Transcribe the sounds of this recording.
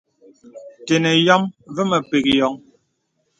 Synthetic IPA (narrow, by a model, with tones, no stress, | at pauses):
te˨nɛ˨jɔ˦mvə˦mɛ˨pe˨k̚jɔ˨˦ŋ